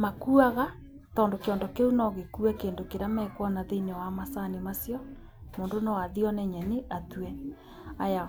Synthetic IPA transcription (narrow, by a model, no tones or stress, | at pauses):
makuaɣa | tɔndokeɔndɔkeunɔɣekuɛkeːndokeɾamɛkwɔnaðenwamasanimasjɔ | moːndonɔwaðiɔnɛɲɛniʔatuɛ | aja